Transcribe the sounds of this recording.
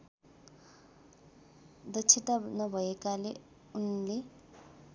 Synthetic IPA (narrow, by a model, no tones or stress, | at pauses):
d̪ʌt͡sʰit̪anʌbʱʌekale | unle